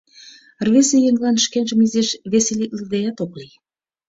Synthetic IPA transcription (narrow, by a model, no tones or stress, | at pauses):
rβesejeŋlɑnʃkenʒəmizeʃβeselik̪ləd̪ejɑt̪okli